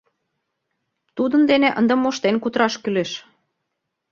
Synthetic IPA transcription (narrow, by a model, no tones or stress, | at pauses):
t̪ud̪ənd̪eneʔənd̪emoʃt̪enkut̪ɾɑʃkyleʃ